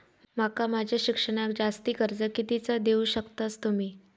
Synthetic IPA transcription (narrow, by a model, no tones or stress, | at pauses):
makamad͡ʑʱjaɕikʂəɽ̃ak̚d͡zast̪iːkəɾd͡zəkit̪it͡səd̪euɕəkt̪ast̪umiː